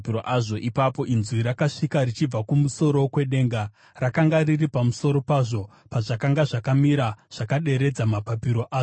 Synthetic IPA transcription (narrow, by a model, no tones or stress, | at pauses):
piɾoʔaʐo̞ʔipapo̞ʔinzwiɾakaʂikarit͡ʃib͡vakumuso̞ɾo̞kwe̞ɗe̞ːŋɡa | rakaŋɡariripamuso̞ɾo̞paːʐo̞ | paʐakaŋɡaʐakamiɾaʐ̥akaɗe̞ɾe̞d͡zamapapiɾo̞ʔaː